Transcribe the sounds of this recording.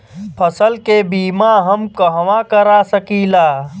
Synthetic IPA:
pʰəsəlkebiːmaɦəmkəɦwakəɾasəkilaː

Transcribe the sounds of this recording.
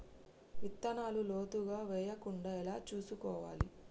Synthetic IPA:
ʋit̪ːɐnaːluloːt̪uɡaːʋɛːjɐkuɳɖaːɛlaːt͡ʃuːsukɔːʋa̰ːli

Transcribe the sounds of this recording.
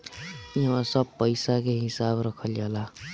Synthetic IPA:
iɦãsəbpəɪsakeɦɪsabɾəkʰəld͡ʒala

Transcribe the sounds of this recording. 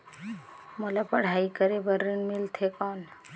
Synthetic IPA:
məlapəɽ̤aːikəɾebəɾːiɳmilt̪ʰekɔːn

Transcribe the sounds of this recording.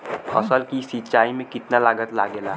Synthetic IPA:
pʰəsəlkisitt͡ʃaːimẽkɪt̪nalaːɡət̪laːɡeːlaː

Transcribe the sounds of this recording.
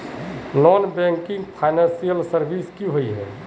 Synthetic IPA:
nɔːnbɛ̃ŋkɪ̃ŋɡpʰaːɪnɛ̃nsijəlsəɾbiːskjũɦoiɦɛ̰ː

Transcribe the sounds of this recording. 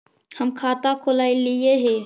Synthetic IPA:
həmkʰaːt̪akʰolaːilieɦe

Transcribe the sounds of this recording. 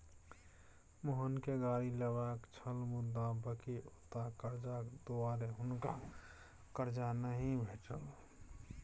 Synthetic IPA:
moɦənkeɡaːɾiləbaːkt͡ʃʰəlmʊd̪abəkiʊt̪akəɾd͡ʒakd̪oaːɾeɦʊnka | kəɾd͡ʒanəɦĩbʱeːt͡ʃə̰l

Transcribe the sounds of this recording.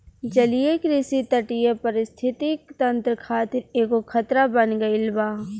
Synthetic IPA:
d͡ʒɐlijekɾɪsit̪ɐʈijepɐɾɪst̪ʰɪt̪ikt̪ɐ̃nt̪ɾəkʰaːt̪ɪɾeːkokʰɐt̪ɾabɐnɡɐɪlbaː

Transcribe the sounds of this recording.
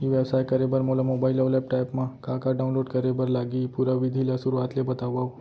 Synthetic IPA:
iʋɛbsajkəɾebəɾmolamobailəʋlɛp̚ʈajpmãkakaɖaũnloɖkəɾebəɾlaɡiːpuɾaʋid̪ʱilasuɾuat̪lebət̪aʋaʋ

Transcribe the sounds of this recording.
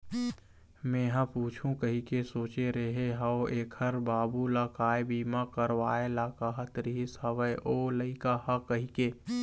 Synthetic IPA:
mẽːɦãpuːt͡ʃʰũkəɦikesoːt͡ʃeɾeɦeɦaoʔeːkʰəɾbaːbulakaːebiːmakəɾʋaːelakaɦɐt̪ɾiɦɪsɦɐʋəeʔoːləɪkahɐkɐɦikeː

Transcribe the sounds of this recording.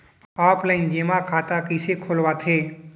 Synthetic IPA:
aːpləĩnd͡ʒemãkʰaːt̪akisekʰolʋat̪ʰeː

